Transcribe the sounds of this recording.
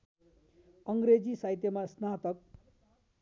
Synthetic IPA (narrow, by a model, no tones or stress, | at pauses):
ʌŋɡɾed͡zisajt̪jemasnat̪ʌk̚